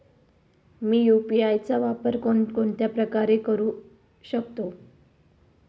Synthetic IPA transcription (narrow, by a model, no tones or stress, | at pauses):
miːjupiajt͡saʋapəɾkokoɳt̪japɾəkaɾekəɾuː | ɕəkt̪o